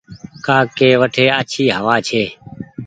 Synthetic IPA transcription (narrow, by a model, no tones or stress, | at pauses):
kaːkeːʋəʈʰeːəːt͡ʃʰiːɦəʋaːt͡ʃʰeː